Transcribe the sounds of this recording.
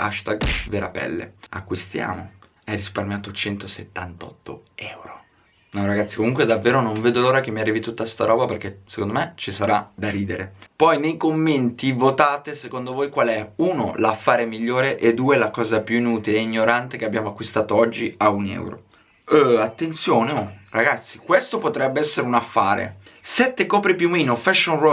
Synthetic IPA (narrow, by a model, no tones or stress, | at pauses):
a̰ʃt̪aɡveːɾa̰pɛ̰lːḛa̰kːwist̪ja̰ːmo̰ | ɛrisparmjaːt̪ot͡ʃɛnt̪oset̪ːant̪ɔ̰t̪ːo̰ɛwɾo | naɾaɡat̪sːi̥komuŋkwed̪avːeːɾonoɱveːd̪oloːɾakemːiarːiːvit̪ut̪ːast̪aɾɔːbaperk̟esekond̪omet͡ʃisaɾad̪aɾiːd̪eɾepɔjnejkomːent̪ivot̪aːt̪esekond̪ovoːjkwalɛuno̰lafːaːɾemiʎːoːɾeʔed̪ːuːelakɔːzapjuinuːt̪ileiɲːoɾant̪ekeabːjaːmoakːwist̪aːt̪oɔd͡ʒːiaunɛ̰wɾo̰ | at̪ːent̪sjoːneoraɡat̪sːikwest̪opot̪ɾɛbːeɛsːeɾeunafːaːɾḛ | sɛt̪ːekɔːpɾipjumːiːnofɛʃːonrɔ